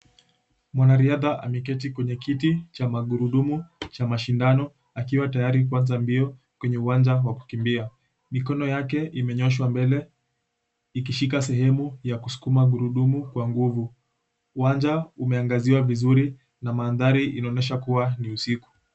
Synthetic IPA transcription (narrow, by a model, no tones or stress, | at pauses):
mwanaɾiaðaʔa̰mikɛt̬ikwɛɲɛkitit͡ʃamaɠuɾuɗumut͡ʃamaʃindanɔ | akiwatajaɾik̬wanzambiɔ | kwɛɲɛuwand͡ʒawaku̥kimbia | mikɔnɔjakɛimɛɲɔʃ̬wambɛlɛ | ik̬iʃikasɛhɛmujakusu̥kumaɠuɾuɗumukwaŋɡuvu | uwand͡ʒaumɛaŋɡaziwavizuɾi | namaːnðaɾiʔinaɔnɛʃ̬akuwaniusiku̥